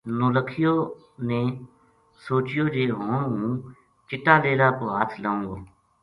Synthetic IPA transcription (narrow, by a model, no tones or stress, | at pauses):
noːləkʰɪjoː | neː | soːt͡ʃɪjoːd͡ʒeːɦõːũː | t͡ʃɪʈːaːleːlaːkoːɦaːt̪ʰlaːũːɡoː